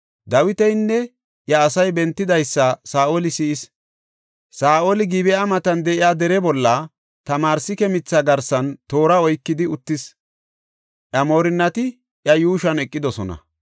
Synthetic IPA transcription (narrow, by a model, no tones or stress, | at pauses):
d̪ɐwɪt̪ɛjnːɛ | ʔjɐːsɐjbɛnt̪ːɪd̪ɐjsːɐsaːʔolɪsiːɪs | saːʔolɪɡɪbɛɐmɐt̪ɐnd̪ɛʔɪjaːd̪ɛɾɛbɔlːɐ | t̪ɐmaːɾsɪkɛmɪt͡sːɐɡɐɾsɐnt̪o̞ːɾɐɔjkːɪd̪ɪʊt̪ːɪs | ʔɐmo̞ːɾɪnːɐt̪ɪ | ʔjɐjuːʃɐnɛkʼːɪd̪ɔsɔnɐ̰